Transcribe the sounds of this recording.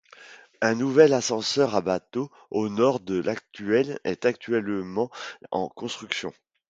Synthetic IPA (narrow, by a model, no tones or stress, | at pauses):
ɛ̃nuvɛlasɑ̃sœʁabat̪o | onɔʁd̪əlʔakt̪yɛlɛ̰t̪akt̪ɥɛlmɑ̃ɑ̰̃kɔ̃st̪χyksjɔ̰̃